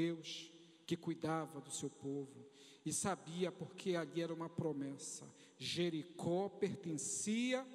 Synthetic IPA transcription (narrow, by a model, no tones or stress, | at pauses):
ewʃ | kɪkujd̪avɐd̪ʊsewpovʊ | ɪsabiɐpoɾkʰealiɛɾɐũmɐpɾomɛsɐ̰ | ʒeɾikʰɔpeɾt̪ẽsiɐ